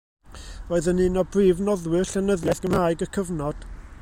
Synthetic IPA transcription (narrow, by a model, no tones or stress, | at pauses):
voːɨðənɨːnɔbriːvnɔðwɪrɬanəðjaθɡ̥əmhaːɨɡəkʰəvnɔd̥